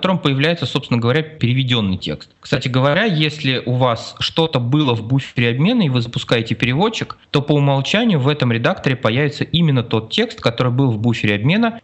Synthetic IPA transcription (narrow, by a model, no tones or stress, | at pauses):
t̪o̞ɾəmpəjɪvlʲæjɪt̪səsopsɪnəɡəvɐɾʲæpʲɪɾʲɪvʲɪdʲo̞nːɨjtʲe̞̰kst̪kst̪atʲɪɡəvɐɾʲajesʲlʲɪʔʊvasʂt̪o̞t̪əbɨlˠəvbufʲɪɾʲɪɐbmʲenəivɨzəpʊskajɪtʲɪpʲɪɾʲɪvo̞t͡ɕːɪkt̪o̞pəʊmɐlˠt͡ɕænʲɪjʊvɛt̪əmɾʲɪd̪akt̪əɾʲɪpɐjævʲɪt̪səʔimʲɪnːət̪o̞t̪̚tʲe̞kst̪kɐt̪o̞ɾɨjbɨlˠvbufʲɪɾʲɪɐbmʲe̞nə